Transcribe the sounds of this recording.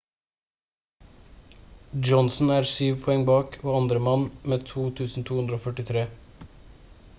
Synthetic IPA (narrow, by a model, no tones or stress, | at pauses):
d͡ʒɔnsn̩æːɾsyːʋpʰɔɛŋbɑːkʰoːɑnd̪ɾəmɑnmeːt̪ʰuːt̪ʰʉːsn̩t̪ʰuːhʉnd̪ɾəoːfœʈɪt̪ʰɾeː